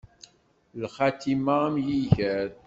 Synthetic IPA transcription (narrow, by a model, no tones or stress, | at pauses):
lχɑt̪imaæmjiʝəɾ